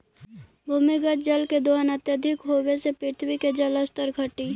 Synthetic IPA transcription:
bʱʊmiɡət͡ʃd͡ʒəlked̪oɦənət̪jəd̪ʱɪkɦoːwesepɪt̪ʰwiked͡ʒələst̪əɾkʰəʈiː

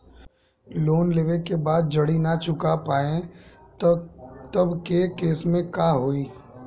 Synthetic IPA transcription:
loːnleːʋekebaːd̪̚d͡ʒɐɽinat͡ʃʊkapaːẽ | t̪əbkekeːsmẽkaːɦoːiː

